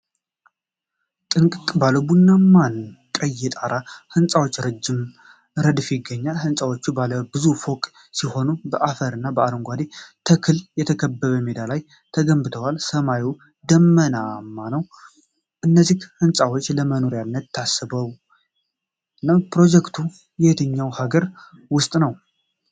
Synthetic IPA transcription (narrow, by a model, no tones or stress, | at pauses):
t̪ʼɨŋkʼkʼbaləbunːamankʼəjɛt̪ʼaɾahɨnsʼawo̞t͡ʃːɾɨd͡ʒːɪm | ɾəd̪ɨfjɪɡːəɲːalhɨnsʼawot͡ʃːubaləbɨzufo̞kʼ | siho̞nubəʔafəɾɨnːabəaɾɨŋɡʷad̪et̪ʰəkʰɨljɛt̪ʰəkʰəbːəβəmed̪alaj | t̪ʰəɡəmbɨt̪ʰəwalsəmaju | d̪əmːənamːanəw | ʔɨnːəzːihhɨnsʼawo̞t͡ʃːləməno̞ɾjanːət̪ʰːasːɨbəw | napɾo̞d͡ʒɛkt̪ʰu | jɛht̪ʰɨɲːawhaɡəɾ | wʊst̪ʼnəw